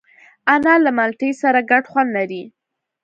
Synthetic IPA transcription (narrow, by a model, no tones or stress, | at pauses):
anɑlamalʈəjsaɾaɡaɖxwand̪laɾi